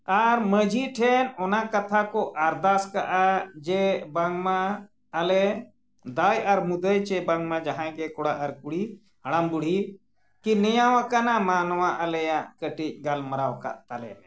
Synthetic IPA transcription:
aɾməd͡ʒʱiʈʰɛnɔnakət̪ʰakɔʔaɾd̪askaʔad͡ʒɛbaŋɡmaː | lɛ | d̪ajaɾmud̪əjt͡ʃɛbaŋɡmãd͡ʒaɦãɡɛkɔɽaʔaɾkuɽi | ɦɐɽ̃ambuɽ̤i | kinɛjawãkanamanwaʔəlɛjaʔkəʈic̚ˀɡalməɾawka̰ʔt̪alɛ̰lɛ

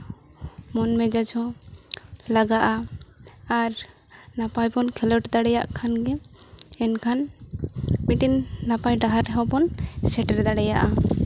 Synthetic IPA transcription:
mɔnmɛd͡ʒad͡ʒʰɔ | laɡaʔa | aɾ | napajbɔnkʰɛlɔʈd̪aɽɛjaʔkʰanɡɛ | ɛnkʰan | miʈinːapajɖaɦaɾɛɦɔbɔnsɛʈɛɾd̪aɽɛjaʔa

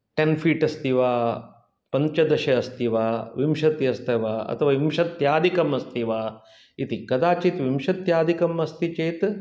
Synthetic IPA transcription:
ʈenfʰiːʈɐst̪iʋaː | pɐɲt͡ʃɐd̪ɐʃɐɐst̪iʋaːʋimʃɐt̪jɐst̪ʰɐʋaːɐ̰t̪ʰɐʋaːʋimʃɐt̪jaːd̪ikɐmɐst̪ʰiʋaː | it̪ikɐd̪aːt͡ʃit̪ʋimʃɐt̪jaːd̪ikɐmɐst̪it͡ʃeːt̪

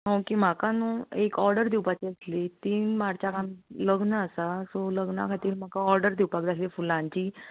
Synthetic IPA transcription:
ɦõwkim̤akanũːekɔɾɖəɾd̪iwpat͡ɕeəslit̪iːnmaɽt͡ɕakamləɡnəəsasoləɡnakʰat̪iːɾm̤akaɔɾɖəɾd̪iwpakd͡zasliːfulãɲt͡ɕiː

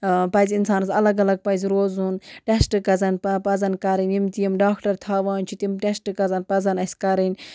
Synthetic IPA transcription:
pɐjzinsaːnɨzɐlɐɡɐlɐɡ̚pɐjzʲɾoːzunʈesʈɨkɐzɐnppɐzɐnkɐɾɐnimt̪ijimɖaːkʈɐɾt̪ʰaːʋaːnt͡ʃʰut̪imʈesʈɨkɐzɐnpɐzɐnɐsʲkɐɾinʲ

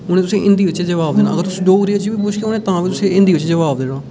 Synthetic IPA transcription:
ʊnẽːt̪ʊsĩːʔɪ̃nd̪iːʋɪt͡ʃd͡ʒəʋaːbd̪eːnã̰ːəɡəɾt̪ʊsĩːɖoːɾiːot͡ʃibiːbʊʃkeːʊnẽːt̪ãːʋiːt̪ʊsẽːɪ̃nd̪iːʋɪt͡ʃd͡ʒəʋaːʋd̪eːnãː

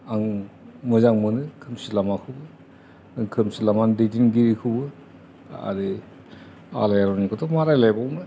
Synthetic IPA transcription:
aŋmɯzaŋmɯnɯkʰɯmsilamakʰɯwbɯ | aŋkʰɯmsilamandedinɡiɾikʰɯbɯ | a̰ɾi | a̰lajaɾɔnikʰɔtʰɔmaɾajlajbawnɯ

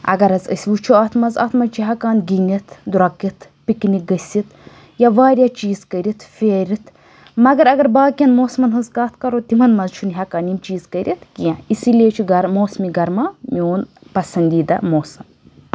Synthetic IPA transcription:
ɐ̰ɡɐɾɐzə̰sʲʋut͡ʃʰuɐt̪ʰmɐzɐ̰ːt̪mɐnt͡ʃʰiɦɐkaːnɡinit̪ʰd̪uɾɐkit̪ʰ | pikniɡɐsʲit̪ʰ | jaʋaːɾʲjat͡ʃiːzkəɾʲit̪ʰfʲeːɾit̪ʰ | mɐɡɐɾɐɡɐɾbaːkʲɐnmoːsmɐnɦɐzkaːt̪ʰkɐɾot̪imɐnmɐzt͡ʃʰunɦɐkaːnimt͡ʃiːzkəɾʲʔit̪ʰkiãisilʲeːt͡ʃʰiɡɐɾmoːsmiɡɐɾmamʲoːnpɐsɐnd̪iːd̪ɐ̰moːsɐm

